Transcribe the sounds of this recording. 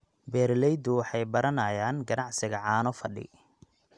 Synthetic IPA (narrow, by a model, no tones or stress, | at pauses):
bɛːɾlɛjd̪ʊwɑħɑjbɐɾɐnɐjaːnɡɐnɑʕsɪɣɐʕɑːnɔfɐɖɪ̰